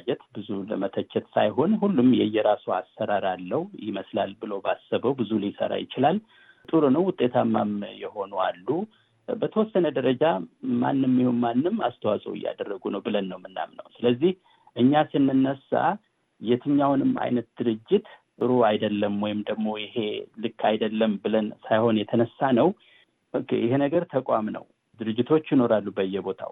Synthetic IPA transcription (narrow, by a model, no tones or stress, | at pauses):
d͡ʒɛt̪bɨzulə̰mət̪ʰət͡ʃːɛt̪sajɦo̞nɦulːumjɛjːɛɾasoasːəɾaɾalːəwjɪməslalbɨlobasːəβəwbɨzulisə̰ɾa̰jɪt͡ʃɪlal | t̪ʼɨɾonəwwʊt̪ʼːe̞t̪ʰamːamjɛho̞nualːu | bət̪ʰəwɔsːənəd̪əɾəd͡ʒama̰nːɨmːihonmanːɨma̰st̪ʰəwasʼə̰wɪ̰jːa̰d̪ərːəɡunəwbɨlənːəwmɨnːa̰mnə̰wsɨləzːih | ʔɨɲːasɨnːɨnːəsa̰ | jɛt̪ʰɨɲːawnɨmːa̰jnət̪̚d̪̥ɨɾɨd͡ʒːɪt̪ | ʔɨɾoajd̪əlːəmwɔjɪmd̪əɡmo̞jɪɦe̞lɨkʰːajd̪əlːəmbɨlənsajho̞njɛt̪ʰənəsːanəw | ɨkːjɪɦenəɡəɾt̪ʰəkʼamnə̰w | d̪ɨɾɨd͡ʒːɪt̪ʰo̞t͡ʃːjɪno̞ɾalːubəjːɛbo̞t̪ʰa̰w